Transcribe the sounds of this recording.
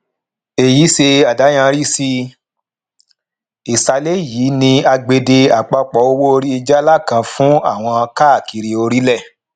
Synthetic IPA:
e˨ji˨˦se˧a˨da˨˦j̃ã˦˧ɾi˦si˧ | i˨sa˧le˦jiː˨˦nĩ˧a˧ɡ͡be˧de˧a˨k͡pɔ˧k͡pɔ˨˦o˧wo˦o˧ɾi˦i˧d͡ʒa˦la˦˨kã˧fũ˦a̰˦˨w̃ɔ̃˧ka˦˨ki˨ɾi˨o˧ɾi˦lɛ˦˨

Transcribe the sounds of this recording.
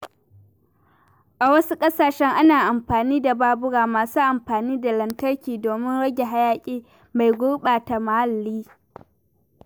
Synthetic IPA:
ʔa˨wɐ˦su˦kʼɐ˦saː˨ʃɛ˦ŋʔa˦naː˨ʔa˨mɸaː˨niː˦da˨baː˦bʊ˦ɽaː˨maː˨suː˦ʔa˨mɸaː˨niː˦da˨lɐ˨ntɐ˦rkʲiː˨doː˨mɪ˦nɽɐ˦ɡʲe˨ɦa˦jaː˦kʲʼiː˦ | ma˨jɡʷʊ˦ɓaː˨ta˨ma˨ha˦lːiː˦

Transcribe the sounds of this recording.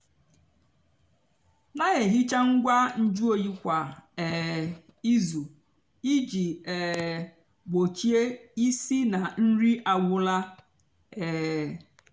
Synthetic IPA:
na˦ɣe˨ɦi˦t͡ʃa˦ŋ̩˦ɡʷa˦n̩˦d͡ʒu˦o˨ji˦kʷa˨ɛ˨ | i˦zu˨ | i˦d͡ʒi˨ɛ˨ | bo˨t͡ʃi˦e˦i˦si˦na˨n̩˦ɾi˦ʔa˨ɡʷʊ˦la˦ | ɛː˨

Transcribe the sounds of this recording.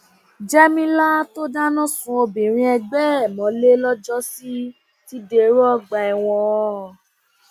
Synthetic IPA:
d͡ʒɛ˦mĩ˦la˦to˦da˦nã˦sũ˧˦o˧bĩ˨ɾ̃ĩ˧ɛ˧ɡ͡bɛ˦˨mɔ̃˨˦le˦lɔ˦d͡ʒɔ˦si˦ | ti˦de˧˨˦ɾɔ˦˨ɡ͡ba˨ɛ˧˨w̃ɔ̃˧

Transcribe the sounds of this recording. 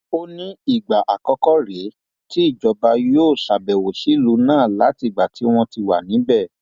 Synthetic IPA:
o˦nĩ˦i˦˨ɡ͡ba˨ʔa˨kɔ˨˧kɔ˦ɾe˨˦ | ti˦i˦˨d͡ʒɔ˨˦ba˧joː˦˨ʃa˨bɛ˨wo˨ʃi˨˦lu˨˧˦nãː˦˨la˨˦ti˦˨ɡ͡ba˨ti˨˦w̃ɔ̃˧ti˧wa̰˨nĩ˨˦bɛ˦˨

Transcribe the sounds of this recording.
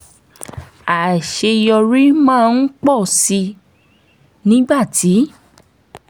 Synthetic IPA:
a˨ʃe˧jɔ˧ɾi˦mãː˦˨˧n̩˦k͡pɔ˦˨si˧ | nĩ˨˦ɡ͡ba˦˨tʰi˨˦

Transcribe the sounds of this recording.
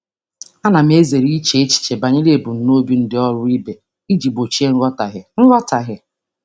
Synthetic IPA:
a˦na˨m˦e˦ze˨ɾi˦t͡ʃe˦e˦t͡ʃi̥˨t͡ʃe˨ba˨ɲɪ˦le˦˨bʊ˨n̩˨no˦bi˦n̩˦dɪ˦ɔ˦ɾʊ˦i˦be˨ | i˦d͡ʒi˨bo˨t͡ʃi˦e˦n̩˦ɾɔ˦ta˨ɦɪ˨n̩˦ɾʷɔ˦ta˨ɦɪ˨

